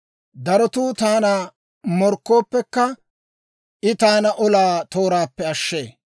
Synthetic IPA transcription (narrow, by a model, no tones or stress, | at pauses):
d̪ɐɾɔt̪uːt̪aːna | mɔɾkːo̞ːpːɛkːɐ | ʔɪt̪aːnɐʔɔlaːt̪o̞ːɾaːpːɛɐʃːḛː